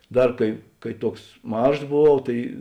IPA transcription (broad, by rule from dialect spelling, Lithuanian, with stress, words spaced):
ˈdɐr kɐɪ ˈkɐɪ ˈtuɔks ˈmɐʃs boːˈʋɐʊ ˈtɐɪ